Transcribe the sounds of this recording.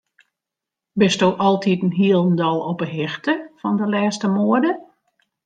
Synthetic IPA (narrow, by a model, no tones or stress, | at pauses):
bɪstowʔɔlˠtitənɦiəlˠəndɔlˠɔpəɦɪxtəfɔndəlɛːstəmoədə